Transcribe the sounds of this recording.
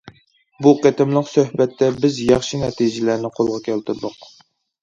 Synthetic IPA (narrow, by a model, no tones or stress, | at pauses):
buqet̪ɪmlˠɨqsøhbɛt̪ʰːɛbɪzjɑχʃinɛt̪ʰijd͡ʒɪlæɾnɪqʰolˠʁɑkʲʰɛlt̪ʰɨɾd̪ʊq